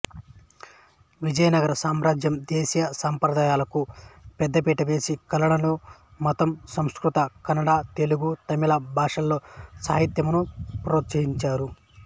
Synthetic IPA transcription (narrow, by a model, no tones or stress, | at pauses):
ʋid͡ʒɐjɐnɐɡɐɾɐsaːmɾaːd͡ʒjɐmd̪eːsijɐsaːmpɾɐd̪aːjaːlɐkupɛd̪ːɐpiːʈɐʋe̞ːsikɐlɐɳɐnumɔt̪ɐmsɐmskɾut̪ɐkɐnɐɽaːt̪eluɡut̪ɐmilɐbʱaːʂɐlːo̞ːsa̰ːɦit̪jɐmunupɾoːt̪sɐɦiɲt͡ʃaːɾu